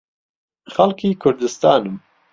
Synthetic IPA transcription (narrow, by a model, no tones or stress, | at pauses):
xalkʰiːkʰʊɾd̪ɨst̪aːnɨm